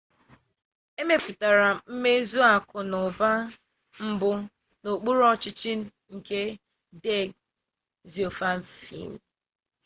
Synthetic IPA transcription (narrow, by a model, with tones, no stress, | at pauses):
e˦me˦pu˨ta˨ɾa˨m̩˦me˦zu˦a˨kʊ˨nʊ˨ba˦ | m̩˦bʊ˦ | no˨k͡pu˦ɾɔ˦t͡ʃɪ˦t͡ʃɪ˦ | ŋ̩˨ke˦ | de˦˨ɡ̚ | zi˨o˨fa˦m̩˦fḭ˦˨m̩˨